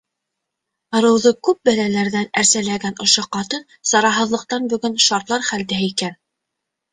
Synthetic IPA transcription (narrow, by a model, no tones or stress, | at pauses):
ɤ̆ɾɤ̆wðɤkʉp̚bælælæɾðænæɾsælæɡænŏʃoqɑt̪ɤn | sɑɾɑɦɤ̆ðlˠɤ̆q̚t̪ɑnbɵ̆ɡɵnʃɑɾt̪lˠɑɾχæld̪æɦikæn